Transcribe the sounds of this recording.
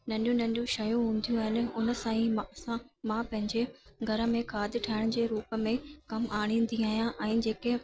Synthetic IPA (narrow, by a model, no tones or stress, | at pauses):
nɐ̃ɳɗijũnɐ̃ɳɗijũʃɐjũɦũːnd̪ʱijũaːɦɪnɪ̆ʊnə̆sãːiãmãːpɐ̃ɦɪ̃ɲd͡ʑeɡʱɐɾə̆mẽkʰaːd̪ɪʈʰaːɪɽ̃d͡ʑeːɾuːpə̆mẽkɐmaːɽ̃ĩnd̪ʱiaːɦijãʔɛ̃ːd͡ʑeːke